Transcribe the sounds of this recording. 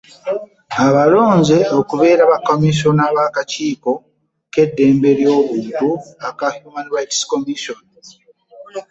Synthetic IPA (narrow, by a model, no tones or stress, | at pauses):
aβalo̞ːnze̞o̞kuβe̞ːɾaβakomiʃo̞naβakaciːko̞ | ke̞dːe̞ːmbe̞ɾjo̞ːβuːntuakahjuːmanɾajtsko̞miʃon